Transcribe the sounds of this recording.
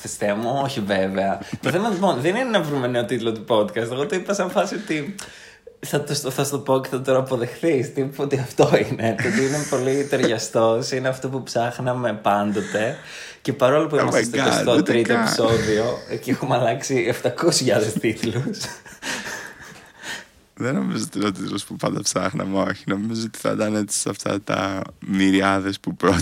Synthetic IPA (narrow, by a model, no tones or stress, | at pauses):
θist̪emuoçiveveɐt̪oθemɐlipo̞nðeninenɐvɾume̞ne̞ot̪it̪lo̞t̪upo̞d̪kɐst̪eɣot̪oipɐsɐɱfɐsio̞t̪i | θɐt̪ust̪oθɐst̪o̞po̞ceθɐt̪oɾɐːpo̞ðexθist̪ipot̪iɐft̪o̞ine̞t̪ot̪iinepo̞lit̪eɾʝɐst̪o̞sineɐft̪o̞pupsɐxnɐme̞pɐnd̪o̞t̪e̞ | ce̞pɐɾo̞lopuimest̪ɐɐsot̪ɾit̪iepi̥so̞ðio̞eciexumeɐlɐksieft̪ɐkosʝɐðest̪it̪lus | ðeno̞mizoot̪inɐt̪it̪ulospupɐnd̪ɐpsɐxnɐ̰meo̞çino̞mizoot̪i̥θɐ̰d̪ɐnet͡si̥sɐft̪ɐ̰t̪ɐ̰miɾiɐðespupɾo